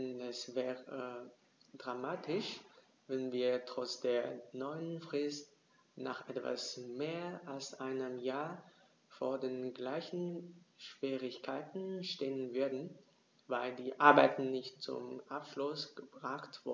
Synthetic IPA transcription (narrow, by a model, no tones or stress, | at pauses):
nɛsvɛːʁə | dʁamaːtʰɪʃ | vɛnviːɐtʁ̥ɔt͡sd̥eːɐnɔʏənfʁ̥ɪst̚ | na̰ːχʔɛtv̥a̰smeːɐalsʔaɪnəmjaːɐ | foːɐdeːnɡlaɪçn̩ʃv̥iːʁɪçkʰaɪtn̩ʃteːənvʏɐdn̩ | vaɪldiːʔaɐbaɪtn̩nɪçtt͡sʊ̰mʔapʃlʊsɡ̥əb̥ʁaχtv̥ʊ